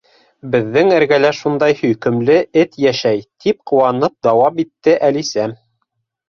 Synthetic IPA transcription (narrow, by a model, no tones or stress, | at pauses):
bɘ̆ðːɘŋæɾɡælæʃund̪ɑjhɵ̆jkɘ̆mlɘɘt̪jæʃæjt̪ʰip̚qŭwɑnɤp̚d̪ɑwɑpit̪ːɘʔælisæm